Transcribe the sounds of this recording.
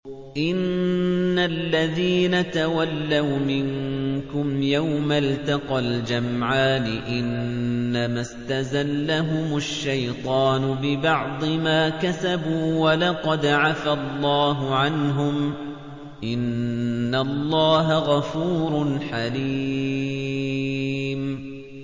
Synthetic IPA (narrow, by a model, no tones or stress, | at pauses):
ʔɪnː | alːaðiːnat̪awalːawmɪŋkʊmjawmalt̪ɑqald͡ʒamʕaːnɪʔɪnːamast̪azalːaɦʊmʊʃːajt̪ˤɑːnʊbɪbɑʕd̪ˤɨmaːkasabuːwalɑqɑd̪ʕafalˤːɑːɦʊʕanɦʊm | ʔɪnːalˤːɑːɦaɣafuːɾˤʊnħali | m